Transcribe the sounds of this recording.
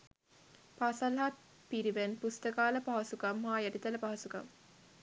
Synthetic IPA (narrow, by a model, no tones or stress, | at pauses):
pasɐlɦat̪̚ | piɾiʋenpust̪əkaːləpaɦɐsukamɦaːjæʈit̪ɐləpaɦɐsuka̰m